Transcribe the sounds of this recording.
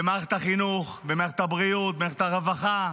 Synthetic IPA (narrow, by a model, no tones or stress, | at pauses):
emaʁχet̪aχinuχbemaʁeet̪habʁiut̪̚bemaʁeχet̪aʁevaχa